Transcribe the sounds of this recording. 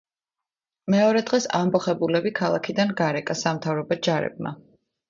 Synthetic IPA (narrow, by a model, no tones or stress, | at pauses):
mɛɔɾɛd̪ʁɛsa̰mbɔχɛbulɛbikʰalˠakʰid̪anɡaɾɛkʼasamt̪ʰavɾɔbɔd͡ʒaɾɛ̰b̚ma̰